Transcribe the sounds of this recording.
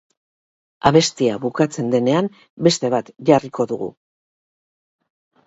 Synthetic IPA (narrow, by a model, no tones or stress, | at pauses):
aβe̞st̪iaβukat͡se̞nd̪e̞ne̞am | be̞st̪e̞βat̪ʝariko̞ðuɣṵ